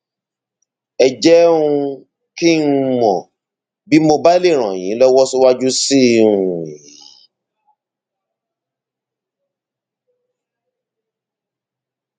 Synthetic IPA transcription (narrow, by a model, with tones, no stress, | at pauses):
ɛ˨d͡ʒɛ˦ũ˧ | ki˦n̩˦mɔ̃˨ | bi˨˦mo˧ba˦le˦˨ɾ̃ã˨j̃ĩ˨˦lɔ˦wɔ˦su˦wa˦d͡ʒu˦si˦ũ˨jii˨˦